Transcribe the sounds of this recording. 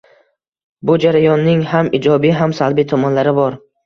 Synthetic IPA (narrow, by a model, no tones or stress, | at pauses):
bʊd͡ʒaɾajɒnːɪŋhamɪd͡ʒɒbɪɦamsalˠbit̪ʰɒmɒnlaɾɪbɒɾ